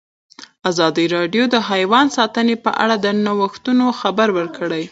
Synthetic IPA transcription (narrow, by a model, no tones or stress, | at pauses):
azɑd̪iɾɑɖjod̪əɦajwɑnsɑt̪ənepə̰ʔa̰ɽad̪ənawəxt̪unoxabaɾwəɾkəɽaj